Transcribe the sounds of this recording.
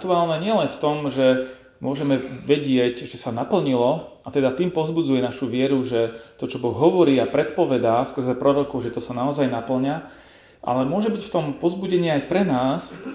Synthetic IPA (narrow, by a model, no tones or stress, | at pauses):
t̪uaːlnɛɲɪɛlɛnft̪ɔmʒɛ | mʊɔʒɛmɛʋɛɟɪɛɟʒɛsanapl̩ɲilɔat̪ɛd̪at̪iːmpɔzbud͡zujɛnaʃuʋɪɛɾuʒɛt̪ɔt͡ʃɔbɔɣɦɔʋɔɾiːapɾɛt̪pɔʋɛd̪aːskr̩zɛpɾɔɾɔkɔʊʒɛt̪ɔsanaɔzajnapl̩ɲa | ʔa̰lɛmʊɔʒɛbicft̪ɔmpɔzbuɟɛɲɪɛajpɾɛnaːs